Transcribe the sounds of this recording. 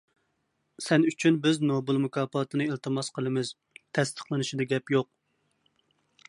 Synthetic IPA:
sɛnyt͡ʃʰynbɪznobɨlˠmukʰɑːpɑːt̪ʰɨnɨilt̪ʰɨmɑsqʰəlˠɨmɪz̥ | t̪ʰɛst̪ʰə̥χlˠɨnɨʃid̪ɛɡʲɛpjoq̚

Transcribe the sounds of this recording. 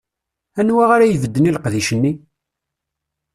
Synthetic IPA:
ænwaʁaɾajvəd̪ːəniləqðiʃənːi

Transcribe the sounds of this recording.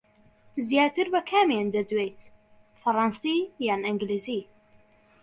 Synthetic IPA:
zjaːt̪ɨɾbɐkʰaːmjend̪ɐd̪wejt̪ | fɑɾˤɑnsijaːnɪŋɡlizi

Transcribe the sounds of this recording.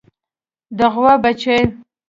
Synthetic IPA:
d̪əɣwabat͡ʃe

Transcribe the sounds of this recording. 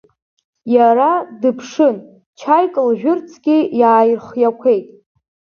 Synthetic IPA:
jaɾadɨpʰʂɨn | t͡ʃʰajkʼɨlʒᶣʊrt͡sʰɡʲijaːjrχjakʷʰe̞jtʼ

